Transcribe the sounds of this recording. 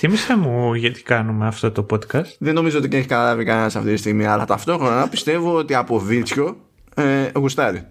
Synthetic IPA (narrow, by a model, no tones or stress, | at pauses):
θimisemuʝɐt̪i̥kɐnumeɐft̪o̞t̪o̞po̞t̪kɐst̪ðe̞no̞mizoo̞t̪iceeçi̥kɐt̪ɐlɐvikɐne̞nɐsɐft̪it̪ist̪iɣmiɐlɐt̪ɐft̪o̞xɾo̞nɐpi̥st̪e̞voot̪iɐpo̞vilt͡sço̞ | eɣust̪ɐɾi